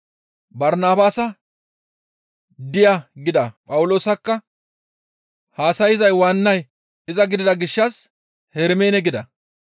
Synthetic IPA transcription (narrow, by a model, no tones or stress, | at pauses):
bɐɾnaːbaːsɐ | d̪ɪjaɡɪd̪ɐpʼɐwʊlo̞ːsɐkːɐ | haːsɐjɪzɐjwaːnːɐj | ɪzɐɡɪd̪ɪd̪ɐɡɪʃːɐs | hɛɾmeːnɛɡɪd̪ɐ